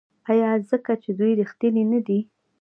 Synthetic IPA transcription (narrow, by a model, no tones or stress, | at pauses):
ajɑzəkat͡ʃed̪ujɾixt̪əninad̪i